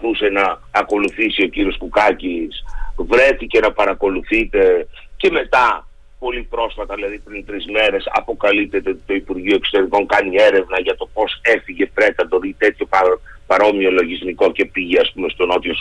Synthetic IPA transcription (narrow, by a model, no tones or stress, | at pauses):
θuse̞nɐːko̞luθisio̞ciɾio̞skukɐcisvɾe̞θice̞nɐpɐɾɐko̞luθit̪e̞ | ce̞me̞t̪ɐ | po̞lipɾo̞sfɐt̪ɐðilɐðipɾint̪ɾizme̞ɾe̞sɐ̰po̞kɐlip̚t̪ːe̞t̪et̪oipuɾʝioe̞kso̞t̪e̞ɾiko̞ŋkɐnie̞ɾe̞vnɐʝɐt̪o̞po̞se̞fiʝe̞pɾe̞t̪ɐbo̞ɾit̪e̞t̪çopɐpɐɾo̞mio̞lo̞ʝizmiko̞ce̞piʝeɐspume̞st̪o̞no̞t̪jos